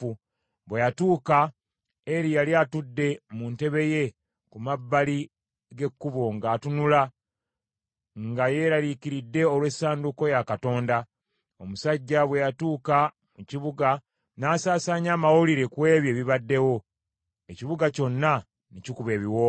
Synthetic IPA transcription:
u | βwejatuːka | e̞ɾijaliatudːe̞munte̞βe̞je̞ | kumabːali | ɡe̞kːuβo̞ŋɡaːtunula | ŋɡaje̞ːɾaliciɾidːe̞o̞lwe̞sːaːnduko̞jakato̞ːnda | omusaɟːaβwe̞jatuːka | muciβuɡa | naːsaːsaːɲaːmawoliɾe̞kwe̞ːβje̞ːβiβadːe̞wo̞ | eciβuɡaco̞nːa | nicikuβe̞ːβiwo

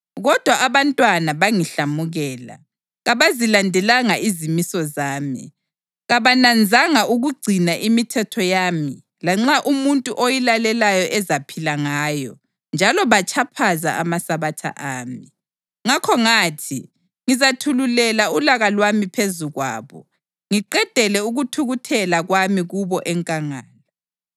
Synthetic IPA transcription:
ɣɔd̥ʱwaʔːβantʼwanaβaŋiɬamuɣɛːla̰ | ɣaβazilandʱɛlaŋaizimisɔzaːmḭ | ɣaβanand͡zʱaŋaʔuɣuɡ͡ǀʱinaʔimitʰɛtʰɔjaːmi | laŋ͡ǁaʔumuntʼuʔojilalɛlajɔʔɛzapʰilaŋaːjɔ | nd͡ʒʱalɔβat͡ʃʰʼapʰaza̰amasaβatʰa̰ʔaːmi | ŋakʰɔŋaːtʰḭ | ŋizatʰululɛlaulaɣalwamipʰezuɣwa̰ːβɔ̰ | ŋiǃɛd̥ʱɛlɛuɣutʰuɣutʰɛlaɣwamiɣuβɔʔɛŋkʼaŋaːla

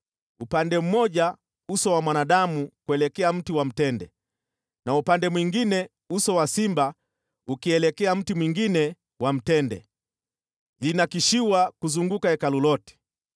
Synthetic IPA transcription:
upandɛm̩mɔʄa | usɔwamwanaɗamukuɛlɛkɛam̩tiwam̩tɛndɛ̰ | naupandɛmwiŋɡinɛ | usɔwasimba | ukiɛlɛkɛam̩timwiŋɡinɛ | wam̩tɛndɛ̰ | linakiʃiwakuzuŋɡukaɛkalulɔti̥

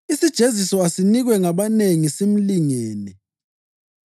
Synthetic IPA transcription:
isid̥ʒ̥ʱezisɔasiniɣwɛŋaβaneŋisem̩liŋɛːnɛ

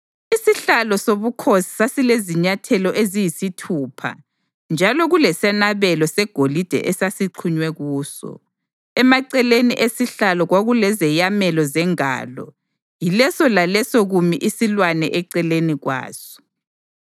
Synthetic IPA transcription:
isiɬalɔsoβukʰosi̥sasileziɲatʰɛlɔʔezijisitʰuːpʰa̰ | nd͡ʒʱalɔɣulɛsɛnaβɛlɔsɛɡ̥ʱolid̥ʱɛ̰ʔɛsasiǃʰuɲwɛɣuːsɔ̰ | ɛmaǀɛleniʔesiɬalɔɣwaɣulɛzɛjamɛlɔzɛŋa̰ːlɔ̰ | jilɛsɔlalɛsɔɣumiʔisilwanɛʔɛǀɛleniɣwa̰ːz̥ɔ̥

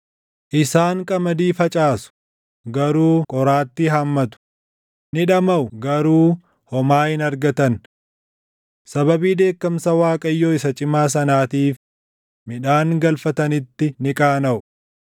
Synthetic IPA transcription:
ʔɪsaːŋkʼɐmɐd̪iːfɐt͡ʃʼaːsʊ̥ | ɡɐɾuːkʼɔɾaːt̪ːɪɦɐmːɐt̪ʊ̥ | nɪᶑɐmɐʔʊɡɐɾuː | hɔmaːhɪnɐɾɡɐt̪ɐn | sɐbɐbiːd̪e̞ːkːɐmsɐwaːkʼɐjːoːɪsɐt͡ʃʼɪmaːs̬ɐnaːt̪iːf | mɪᶑaːŋɡɐlfɐt̪ɐnɪt̪ːɪnɪkʼaːnɐʔʊ

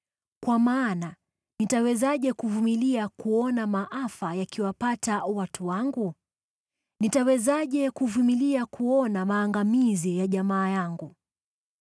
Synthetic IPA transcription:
kwamaːna | nitawɛzaʄɛkuvumiliakuɔnamaʔafajakiwapatawatʰuwaŋɡu | nitawɛzaʄɛkuvumiliakuɔnamaːŋɡamizijaʄamaːjaŋɡu

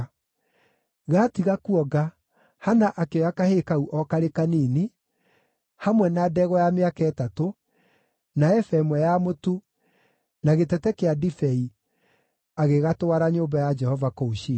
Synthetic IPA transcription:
ɣatiɣakuɔɡa | hanaʔakeɔjakahekauʔɔkaɾekaniːne | hamwɛnadɛɣɔjameakɛːtato | naɛfɛmwɛjamotu | naɣetɛtɛkeadifɛi | aɣeɣatoaɾaɲoːmbajad͡ʒɛhɔvakouʃi

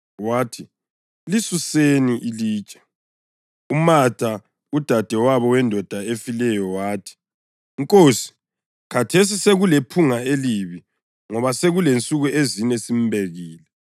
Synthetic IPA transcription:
waːtʰi | lisuseniʔiliːt͡ʃʼḁ | umatʰʼa | ud̥ʱad̥ʱɛwaβɔwɛndʱɔd̥ʱaefilɛjɔwaːtʰi̥ | ŋkʼoːsi̥ | kʰatʰes̬iseɣulepʰuŋaeliβi | ŋɔβaseɣulent͡sʼuɣuezinɛsim̩bʱeɣiːlɛ

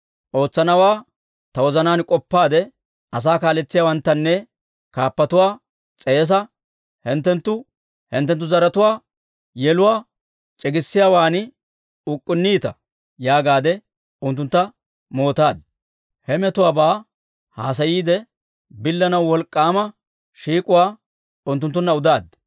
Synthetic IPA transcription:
ʔo̞ːt͡sːɐnɐwaː | t̪ɐwɔzɐnaːnkʼɔpːaːd̪ɛ | ʔɐs̬aːkaːlɛt͡sːɪjaːwɐnt̪ːɐnːɛ | kaːpːɐt̪ʊwaː | t͡sʼeːs̬ɐ | hɛnt̪ːɛnt̪ːʊ | hɪ̰nt̪̬ːɛnt̪ːʊzɐɾɐt̪ʊwaː | jɛlʊwaː | t͡ʃʼɛɡɪsːɪjaːwaːn | ʊkʼːʊnːiːt̪ɐ | jaːɡaːd̪ɛ | ʊnt̪ːʊnt̪ːɐ | mo̞ːt̪aːd̪ | hɛmɛt̪ʊwaːbaː | haːs̬ɐjiːd̪ɛ | bɪlːɐnɐwwɔlkʼːaːmɐ | ʃiːkʼʊwaː | ʊnt̪ːʊnt̪ːʊnːɐʊd̪aːd̪

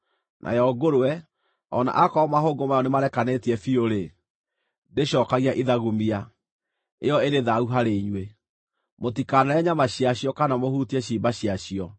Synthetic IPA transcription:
nʔa̰jɔɡoɾoɛ | ɔ̰na̰ʔakɔmaɦoːɡomajɔnemaɾɛkanetiɛfioɾe | deɕɔkaɣiaʔiðaɣumia | eɔeɾeðauɦaɾeiɲwe | motikanaɛɲamaɕiaɕiɔkanamohutiɛɕiːbaɕiaɕiɔ

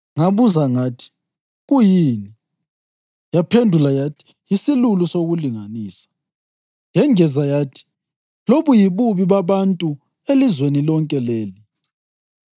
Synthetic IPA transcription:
ŋaβuzaŋatʰi̥ | ɣujini | japʰendʱulajatʰi̥ | jisilulusoɣuliŋaniːsḁ | jɛŋɛzajatʰi̥ | loβujiβuβiβaβantʼu | elizwenilɔŋkʼɛleːli

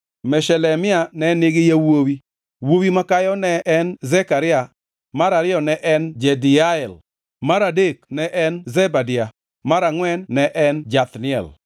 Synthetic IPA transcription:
mɛʃɛlɛmɪanɛnɪɡɪjawowi | wowimakajɔnɛʔɛnzɛkaɾɪa | maɾaɾɪɔnɛʔɛnd͡ʒɛdɪaɛl | maɾadeknɛʔɛnzɛbadɪa | maɾaŋwɛnːɛʔɛnd͡ʒat̪nɪɛ̰l

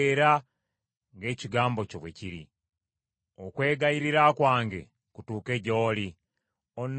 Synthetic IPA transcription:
eɾa | ŋɡe̞ːciɡaːmbo̞coβwḛciɾḭ | okwe̞ːɡajiɾiɾakwaːŋɡe̞̰ | kutuːke̞ːɟoːli | on

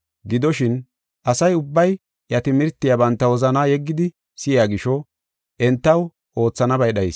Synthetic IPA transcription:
ɡɪd̪ɔʃɪn | ʔɐsɐjʊbːɐj | ʔjɐt̪ɪmɪɾt̪ːɪjɐbɐnt̪ːɐwɔzɐnaːjɛɡːɪd̪ɪ | sɪjaːɡɪʃɔ | ʔɛnt̪ːɐw | ʔo̞ːt͡sːɐnɐbɐjɗɐjɪs

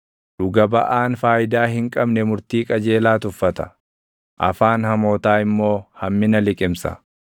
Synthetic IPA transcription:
d̪ʊɡɐbɐʔaːnfaːjɪd̪aːɦɪŋkʼɐbnɛmʊɾt̪iːkʼɐd͡ʒe̞ːlaːt̪ʊfːɐt̪ɐ̥ | ʔɐ̰faːnhɐmo̞ːt̪aːɪmːo̞ːhɐmːɪnɐlɪkʼɪmsɐ̰

